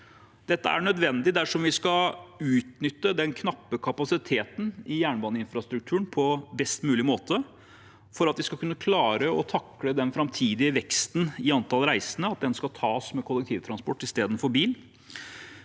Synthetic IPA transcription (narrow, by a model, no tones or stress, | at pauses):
d̪̥ɛt̪ːəæ̰ɳœd̪ʋɛnd̪ɪd̪æʂɔmʋɪskɑʉːt̪nʏt̪ːəd̪ɛnkʰnɑpːəkʰɑpɑsɪt̪ʰeːt̪n̩ɪjæːɳbɑːnəɪnfɾɑst̪ɾʉk̚t̪ʰʉːəɳnpʰɔbɛst̪mʉːlɪmoːt̪ə | fɔɾɑt̪ʋɪskɑkʰʉnːəkʰlɑːɾəɔt̪ʰɑkləd̪ɛnfɾɑmt̪ʰiːd̪ɪʋɛkst̪n̩ɪɑnt̪ʰɑlɾæɪsənəɑt̪̚d̪ɛnskɑt̪ʰɑːsmɛkʰʊlːɛk̚t̪ʰiːʋt̪ʰɾɑnspɔʈːɪst̪eːd̪ən̩fɔɾbiːl